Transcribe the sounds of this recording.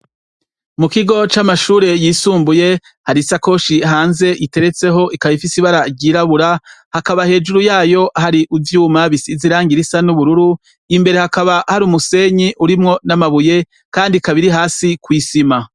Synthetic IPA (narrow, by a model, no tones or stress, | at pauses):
mukiɡo̞t͡ʃamaʃuːɾe̞jiːsuːmbuje̞ | haɾisako̞ʃiɦaːnze̞ʔite̞ɾe̞t͡se̞ɦo̞ʔikaβifisiβaɾaɾɟiːɾaβuɾahakaβahe̞ːd͡ʒuɾujaːjo̞ʔahaɾiʔuvjuːmaβisiziɾaːŋɡiɾisanuβuɾuɾu | imbe̞ɾe̞hakaβahaɾumuse̞ɲiʔuɾimŋo̞namaβuje̞ | kaːndikaβiɾiɦaːsikwiːsima